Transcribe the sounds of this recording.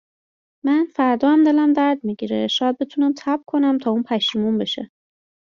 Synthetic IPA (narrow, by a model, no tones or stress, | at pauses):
mænfæɾd̪ɒːæmd̪e̞læmd̪æɾd̪miɟiɾeʃɒːjæd̪̚be̞t̪ʰunæmt̪ʰæbkʰo̞næmt̪ʰɒːuːnpʰæʃiːmunbeʃḛ